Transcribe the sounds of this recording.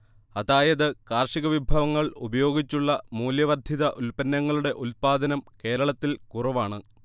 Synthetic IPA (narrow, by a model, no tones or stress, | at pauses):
ɐðaːjɐðɨkaːrʂiɣɐʋibʱɐʋɐŋːɐɭubɐjo̞ːɡit͡ɕːuɭːɐmuːljɐʋɐrd̪ʱiðɐʔulpɐnːɐŋːɐɭuɽe̞ʔulpaːd̪ɐnɐmke̞ːɾɐɭɐt̪ːilkurɐʋaːɳɨ